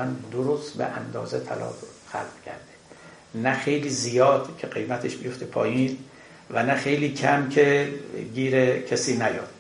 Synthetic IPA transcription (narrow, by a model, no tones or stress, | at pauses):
ænd̪oɾost̪bḛʔænd̪ɒːzet̪ʰæ̰lɒ̰ːb | xæ̰lb̥kʲʰæ̰ɾd̪e | næxejliːzijɒːd̪cʲʰeɢe̞jmæt̪ʰeʃbijoft̪epʰɒːjiːn | vænæxejliːkʰæmkʰe̞ɡiːɾekʰesiːnæjɒ̰ːd̪̥